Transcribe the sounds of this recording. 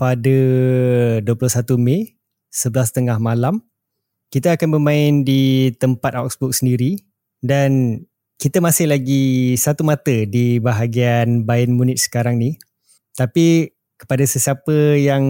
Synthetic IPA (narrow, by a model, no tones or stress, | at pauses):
padə | duəpulʊhsat̪umẽ | səbəlast̪əŋahmalam | kit̪aakanbəmãɪndit̪əmpat̪̚ak̚sbɔk̚səndiɾi | dan | kit̪əmasɪhlaɡisat̪umat̪ədibaɦaɡianbaɪnmunɪt̪̚sə̥kaɾaŋni | t̪api | kə̥padasəsiapəjaŋ